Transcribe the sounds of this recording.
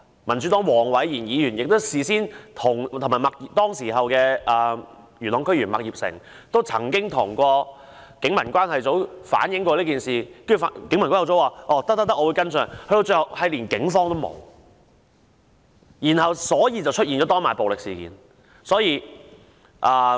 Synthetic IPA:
mɐ˨˩nt͡sy˨˥t̪ɔː˨˥ŋwɔː˨˩ŋwɐ˨˥jjiː˨˩njiː˨˧jyː˨˩njɪ˨k̚t̪o˥siː˨siː˥nt̪ʰʊ˨˩ŋt̪ʰŋmaː˨jmɐ˨k̚ji˨˩t̪ɔː˥ŋsiː˨˩ɦɐ˨wkɛː˧ʔɐː˨˩ | jyː˨˩nlɔ˨˧ŋkʰɵ˥ɥyː˨˩nmɐ˨k̚jiː˨p̚sɪ̰˨˩ŋ | t̪o˥wt͡sʰɐ̰˨˩ŋkɪ˥ŋt̪ʰʊ˨˩ŋkɔː˧ | kɪ˨˥ŋmɐ˨˩nkʷaː˥nhɐ˨jt͡so˨˥wfa̰ː˨˥njɪ˨˥ŋkʷɔː˧liː˥kiː˨˩nsiː˨˩kːkɪ˨˥ŋmɐ˨nkːjɐ˨˩wt͡so˨˥waː˨ʔɔː˨˧t̪ɐ˥t̪ɐ˥t̪ɐ˥kʔːwu˨˧jkɐ˥nsœː˨˩ŋkʰɵ˧t̪o˧wt͡sɵ˧hɐ˨˩whɐ˨jliː˨˩nkɪ˨˥ŋfɔː˥ŋt̪o˥wmo̰˨˧w | jiː˨˩nhɐ˨wsɔː˨˥jiː˧t͡sɐ˨wt͡ʃʰt̚i˨nt͡ʃɔː˨˥t̪ɔː˥nmaː˨jpo˨wlɪ˨ksiː˨˩kḭː˨˥n | sɔː˨˥jiː˧ | ʔɐː˨

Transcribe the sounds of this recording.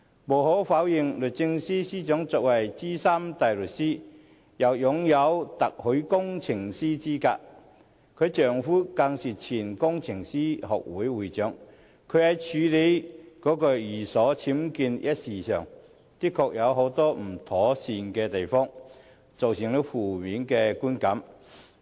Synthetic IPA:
mo˨˩wɦo˨˥wfaː˨˥wjɪ˨ŋlɵ˨t̚t͡sɪ˧ŋsiː˥siː˥t͡ʃœ˨˥ŋt͡sɔː˧k̚wɐ˨˩jt͡siː˥saː˥mt̪a˨˩jlɵ˨t̚siː˥ | jɐ˨˩wjʊ˨˥ŋjɐ˨˧wt̪ɐ˨k̚hɵ˨˥kʊ˥ŋt͡sʰɪ˨˩ŋsiː˥t͡siː˥ka̰ː˧k̚ | kʰɵ˨˧ɥt͡ʃœː˨˩ŋfuː˥kaː˧ŋsiː˨t͡sʰiː˨˩nkʊ˥ŋt͡sʰɪ˨˩ŋsiː˥hɔ̰ː˨k̚wuː˨˥jwuː˨˧jt͡ʃœː˨˥ŋ | kʰɵ˨˧˥hɐ˨˧jt͡ʃʰyː˨˧le˨˥jkɔː˨˥kɔ˧jiː˨˩sɔː˨˥t͡sʰiː˨˥mkiː˧njʔɐ˥t̚siː˨˩sœː˨˩ŋ | t̪i˥kʰːɔː˧k̚jɐ˨˧wɦo˨˥wt̪ɔː˥m̩˨˩t̪ʰɔː˨˥siː˨˧nkɛː˧t̪e˨jfɔː˥ŋ | t͡so˨wsɪ˨˩ŋli˨˧˥wfuː˨˩miː˨˥nkɛː˧kuː˥nkɐ˨˥m

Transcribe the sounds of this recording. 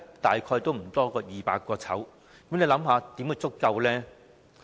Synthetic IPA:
t̪aː˨jkʰɔː˧jt̪o˥wm̩˨˩t̪ɔː˥kɔː˧jiː˨˧paː˧kːɔː˧t͡sʰɐ̰˨˥w | kɐ˨˥mnle˨˧lɐ˨˥mɦaː˨˧t̪i˨˥mkɛ˧t͡sʊ˥kːɐ˧wlɛː˥

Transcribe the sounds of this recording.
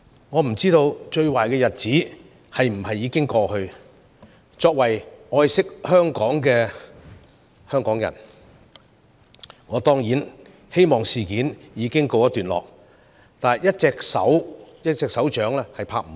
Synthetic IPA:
ŋɔː˨˧m̩˨˩t͡siː˥t̪o˧wt͡ʃɵ˧ɥwaː˨˩jkɛː˧jɐ˨t̚t͡siː˨˥ | hɐ˨jm̩˨˩hɐ˨jːiː˨˧kɪ˥ŋkɔː˧hɵ˧ɥ | t͡ʃɔː˧k̚wɐ˨˩jʔɔː˧jsɪ˥k̚hœː˥ŋkɔː˨˥ŋkɛː˧ | hœː˥ŋkɔː˨˥ŋjɐ̰˨˩n | ŋɔː˨˧t̪ɔː˥ŋjiː˨˥n | he˥jmɔː˨˩ŋsiː˨kiː˨˥njiː˨˧˥kɪ˥ŋko˧wjɐ˥t̪yː˨nlɔ̰ː˨k̚ | t̪aː˨˩njɐ˥t̚t͡sɛː˧k̚sɐ̰˨˥wjɐ˥t̚t͡sɛː˧ksɐ˨˥wt͡ʃœː˨˥ŋlɛː˥hɐ˨jpʰaː˧k̚m̩˨

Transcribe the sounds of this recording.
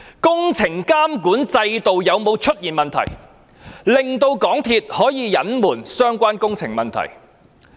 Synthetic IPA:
kʊ˥ŋt͡sʰɪ˨˩ŋkaː˥mkuː˨˥nt͡sɐ˧jt̪o˨wjɐ˨˧wmo˨˧wt͡ʃʰɵ˥t̚jiː˨˩nmɐ˨nt̪ʰɐ̰˨˩j | lɪ˨ŋt̪o˧wkɔː˨˥ŋt̪ʰiː˧t̚hɔː˨˥jiː˨˧jɐ˨˥nmuː˨˩nsœː˥ŋkʷaː˥nkʊ˥ŋt͡sʰɪ̰˨˩ŋmɐ˨nt̪ʰɐ̰˨˩j

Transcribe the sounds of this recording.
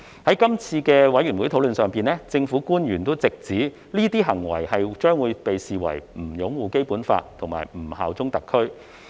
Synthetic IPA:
hɐ˨˥jkɐ˥mt͡sʰiː˧kɛː˧wɐ˨˥jyː˨˩nwu˨˥t̪ʰo˨˥wlɵ˨nsœː˨ŋpiː˨nlɛː˥t͡sɪ˧ŋfuː˨˥kuː˥njyː˨˩nt̪o˥wt͡sɪ˨k̚t͡siː˨˥ | liː˥t̪iː˥ɦɐ˨˩ŋwɐ̰˨˩jhɐ˨jt͡ʃœː˥ŋwuː˨˧jpe˨jsiː˨wɐ̰˨˩jm̩˨˩jʊ˨˥ŋwuː˨ke˥jpuː˨˥nfa̰ː˧t̚t̪ʰʊ˨˩ŋma̰ː˨˩jm̩˨˩ha̰ː˨wt͡sʊ˥ŋt̪ɐ˨kʰɵ˥ɥ

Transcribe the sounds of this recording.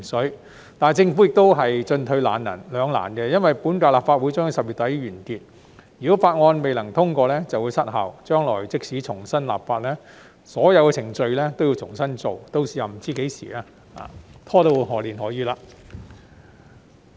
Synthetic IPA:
sɵ˨˥ | t̪aː˨˩t͡sɪ˧ŋfu˨˥jɪ˨k̚t̪o˥wɦɐ˨jt͡ʃɵ˧nt̪ʰɵ˨˧ɥla̰ː˨˩njɐ̰˨˩nlœː˨˧ŋla̰ː˨˩nkɛ˧jɐ˥nwɐ˨jpuː˨˥nkaː˧laː˨˩pfaː˧t̚wu˨˥jt͡sɔː˥ŋ˨˧˥sɐ˨p̚jy˨˩t̪ɐ˨˥jɥyː˨˩nk̪iː˧t̚ | jyː˨˩kɔː˨˥faː˧t̚ŋɔː˧nme˨jlɐ˨˩ŋt̪ʰʊ˥ŋkɔː˧lɛː˥t͡sɐ˨wu˨˧sɐ˥t̚ɦɐ̰˨˩wt͡ʃœː˥ŋlɔː˨˩jt͡sɪ˥k̚siː˨˥t͡sʰʊ˨˩ŋsɐ˥nla̰ː˨pfaː˧t̚lɛː˥ | sɔː˨˥jɐ˨˧wkɛ˧t͡sʰɪ˨˩ŋt͡ʃɵ˧ɥlɛː˥t̪o˥wjiː˧t͡sʰʊ˨˩ŋsɐ˥nt͡so˨wt̪o˧wsiː˨ja˨m̩˨˩t͡siː˥ke˨˥jsḭː˨˩aː˧ | a̰ː˨˧˩t̪ʰɔː˥t̪o˧˥wɦɔː˨˩liː˨nɦɔː˨˥jiː˧laː˧

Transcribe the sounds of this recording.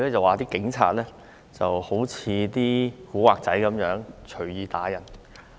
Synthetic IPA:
lɛː˥t͡sɐ˨˩waː˨t̪iː˥kɪ˨˥ŋt͡sʰa̰ː˧t̚lɛː˥ | t͡sɐ˨who˨˥wt͡sʰiː˨˧t̪iː˥kuː˨˥waː˨k̚t͡sɐ˨˥jkɐ˨˧˥mjœː˨˧˥ŋt͡ʃʰɵ˨˩jiː˨˧t̪aː˨˥jɐ˨˩n

